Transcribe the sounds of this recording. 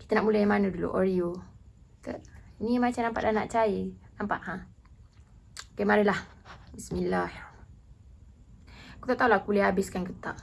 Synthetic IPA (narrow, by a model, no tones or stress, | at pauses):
ki̥t̪ənaʔmulajmanədulṵʔoɾiokəinimat͡ʃamnampaʔdanaʔt͡ʃaenampa̰ʔhã | kemaɾəlahbismilah | ku̥t̪aʔt̪aulahkulehabɪskankət̪a̰ʔ